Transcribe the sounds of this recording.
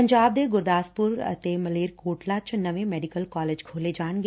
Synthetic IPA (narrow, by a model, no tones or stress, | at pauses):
əɲd͡ʒaːb̚d̪eɡʊɾd̪aːspʊɾə̰t̪emɐleːɾkoːʈlat͡ʃnɐʋẽmɛːɖikəlkɔːleːd͡ʒkʰoːled͡ʒaːɳɡ